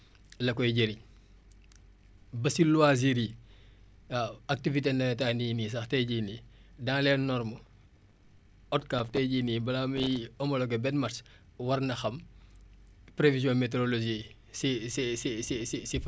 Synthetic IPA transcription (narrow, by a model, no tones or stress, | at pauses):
lɐkɔjɟeɾi | bɐsilwaziɾi | ak̚tivitenɐtaːninis̬ɐxtɛjɟiːnidaŋlɛːnɔɾmu | ɔt̚kaːftɛjɟiːnibɐlamijɔmɐloɡɐbɛtmɐrs | wɐrnɐxɐm | pɾevizjɔ̃meteɾoloʒi | sisisisisisif